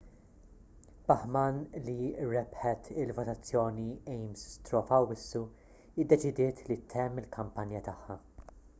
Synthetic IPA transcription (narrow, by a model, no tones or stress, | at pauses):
bɐħmɐnliɾɛpħɛt̪ɪlvɔt̪ɐt͡sːjɔːniɛjmst̪ɾɔːfɐwːɪsːu | ɪd̪ːɛt͡ʃɪd̪ɪːt̪ʰlit̪ʰːɛmːɪlkʰɐmpɐnjɐt̪ɐħːɐ